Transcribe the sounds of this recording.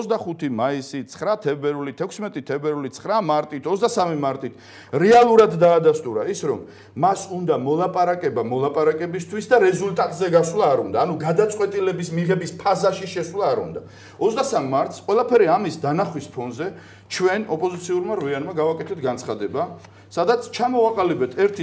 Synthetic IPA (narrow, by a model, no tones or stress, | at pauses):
ɔzd̪aχut̪ʰimaisit̪sʰχɾat̪ʰɛbɛɾvlit̪ʰɛkʷʰsmɛt̪ʼit̪ʰɛbɛɾvlit̪sʰχɾamaɾt̪ʼit̪ʰɔzd̪asamimaɾt̪ʼit̪ʰ | ɾɛalˠuɾad̪d̪aːd̪ast̪ʼuɾaisɾɔ̰mː | asund̪amɔlˠapʼaɾakʼɛbamɔlˠapʼaɾakʼɛbist̪ʰwisd̪aɾɛzult̪ʼat̪ʼzɛɡaswlˠaːɾund̪aːnuɡad̪at̪sʼqʼwɛt̪ʼilɛbismiʁɛbispʰazaʃiʃɛswlˠaːɾṵnd̪a | ɔt̪sd̪asamːaɾt̪ʰsqʼwɛlˠapʰɛɾiamisd̪anaχwispʰɔnzɛ | t͡ʃʰwɛnɔpʼɔzit̪sʰiuɾmaɾvianmaɡavakʼɛt̪ʰɛt̪ʰɡant̪sχad̪ɛba | sad̪at̪sʰt͡ʃʰamɔaqʼalibɛt̪ʰɛɾt̪ʰi